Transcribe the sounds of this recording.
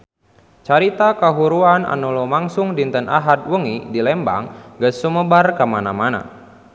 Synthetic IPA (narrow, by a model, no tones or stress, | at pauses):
t͡ʃaɾit̪akaɦuɾuana̰nulɔmaŋsʊŋdint̪ənʔaɦad̪̚wəŋidilɛmba̰ŋɡəsːuməbarkəmanamana̰